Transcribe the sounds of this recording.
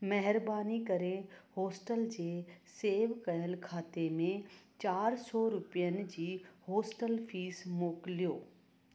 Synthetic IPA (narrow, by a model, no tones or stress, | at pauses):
mɛɦɪɾbaːnikɐɾẽhoːsʈəld͡ʑeːseːʋkɐjəlkʰaːt̪emẽt͡ɕaːɾsɔɾʊpijənɪ̆d͡ʑiːhoːsʈəlfʰiːsmoːklijoː